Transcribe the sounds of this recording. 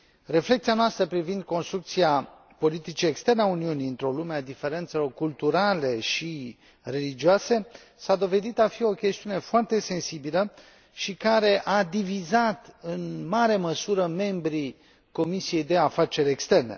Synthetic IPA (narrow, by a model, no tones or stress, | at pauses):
re̞fle̞k̚t̪sianoast̪ɾəpɾivind̪̚ko̞nst̪ɾuk̚t̪sia | po̞lit̪it͡ʃie̞kst̪e̞rneauniuniɨnt̪ɾo̞lumead̪ife̞ɾe̞nt̪se̞lo̞rkult̪uɾale̞ʃi | re̞lid͡ʒioase̞ | sad̪o̞ve̞d̪it̪afio̞kʲe̞st̪iune̞foart̪e̞se̞nsibilə | ʃikaɾe̞ʔad̪ivizat̪ɨnmaɾe̞məsuɾəme̞mbɾi | ko̞misije̞jd̪e̞afat͡ʃe̞ɾʲekst̪e̞rne̞̰